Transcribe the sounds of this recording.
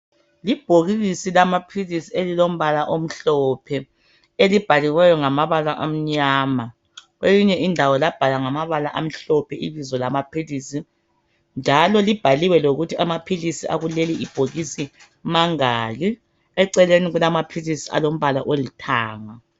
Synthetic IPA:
lib̥ʱoɣiɣisilamapʰilisielilom̩βalaʔom̩ɬɔpʰɛ | elib̥ʱaliwɛjɔŋamaβalaʔam̩ɲaːma | ɣweliɲɛʔindʱawɔlab̥ʱalaŋamaβalaʔam̩ɬɔpʰɛiβizɔlamapʰilisi | nd͡ʒʱalɔlib̥ʱaliwɛloɣutʰiamapʰilisia̰ɣuleliib̥ʱoɣisi | maŋaːɣi | ɛǀɛleniɣulamapʰilisia̰lom̩βala̰ʔolitʰaːŋa

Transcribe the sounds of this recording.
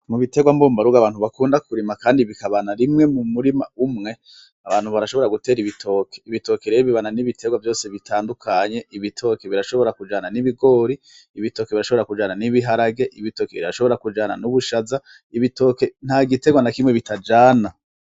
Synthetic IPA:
muβite̞ɡwamboːmbaɾuɡaβaːnhuβakuːndakuɾimakaːndiβikaβanaɾimŋe̞mumuɾima̰umŋe̞ | aβaːn̥huβaɾaʃo̞βo̞ɾaɡute̞ːɾiβitʰo̞ːkʰe̞̥iβito̞keɾejiβiβananiβitʰe̞ɡwavjo̞ːseβitʰaːndukʰaɲe̞ʔiβitʰo̞ːkeβiɾaʃo̞βo̞ɾakud͡ʒaːnaniβiɡo̞ːɾiː | βito̞ːkeβiɾaʃo̞βɾakud͡ʒaːnaniβiɦaɾaɡe̞ʔiβito̞keiiɾaʃo̞βo̞ɾakud͡ʒaːna̰nuβuʃaza | iβito̞ːke̞n̥haɡite̞ɡwanakimŋe̞βitad͡ʒaːna

